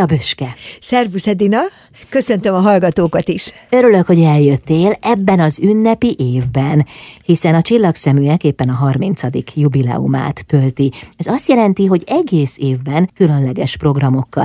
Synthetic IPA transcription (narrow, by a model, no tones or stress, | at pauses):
ɒbøʃkɛsɛrvusɛd̪inɒ | kø̞sønt̪ømɒɦɒlɡɒt̪oːkɒt̪iʃøɾyløkho̞ɟɛljø̞t̪ːeːlɛbːɛnɒzynːɛpiʔeːvbɛnhisɛnɒt͡ʃilːɒksɛmyɛkeːpːɛnɒɦɒrmint̪sɒd̪ikjubilɛ̰uma̰ːt̪ːølt̪iɛzɒst̪jɛlɛnt̪iɦo̞ɟɛɡeːseːvbɛnkylø̞nlɛɡɛʃpro̞ɡrɒmo̞kːɒ̰l